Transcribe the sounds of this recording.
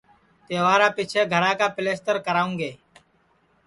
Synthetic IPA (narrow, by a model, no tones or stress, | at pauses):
t̪eːʋaːɾaːpiːt͡ʃʰeːɡʱəɾãːkaːpɪleːst̪əɾkəɾaːũːŋɡeː